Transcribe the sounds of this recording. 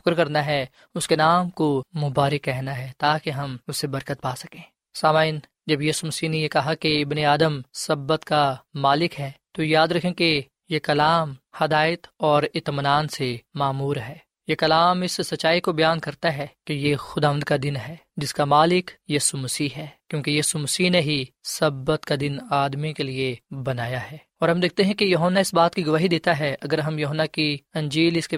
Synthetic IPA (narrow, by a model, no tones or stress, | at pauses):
fʊ̥kɾkɐɾnaɦɛ | ʊskenaːmkomʊbaːɾəkːɛɦnaɦɛːt̪aːkeɦɐmʊsːebɐɾkət̪̚paːsɐ̥kẽː | saːmaːɪn | d͡ʒɐbjiːsumɐsiːnejekɐɦakeɪbneaːd̪əmsɐbːət̪kamaːlɪkɦɛːt̪ojaːd̪ɾɐkʰẽke | jekɐlaːmhɐd̪aːjət̪ɔːɾɪt̪mənaːnsemaːmuːɾɦɛː | jekɐlaːmɪssɐːʃaːikobɐjaːnkɐɾt̪aɦɛːkejexʊd̪aːʋə̃nd̪kad̪ɪnɦɛː | d͡ʒɪskamaːlɪkjiːsumɐsiːɦɛːkjõːkejiːsumɐsiːneɦisɐbːət̪kad̪ɪnaːd̪mikeliebɐnaːjaɦɛː | ɔːɾɦɐmd̪eːk̚ʰt̪eɦɛ̃kejɐɦonːaɪsbaːt̪kiɡʊʋaːɦid̪eːt̪aɦɛʔɐɡəɾɦɐmjʊɦənːakiɐ̃ɲd͡ʒiːlɪske